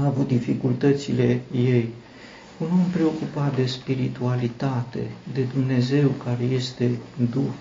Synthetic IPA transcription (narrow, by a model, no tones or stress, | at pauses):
avut̪̚d̪ifikult̪ət̪sile̞je̞j | unuampɾe̞o̞kupat̪̚d̪e̞spiɾit̪ualit̪at̪e̞̰d̪e̞d̪umne̞ze̞wkaɾe̞je̞st̪e̞d̪ux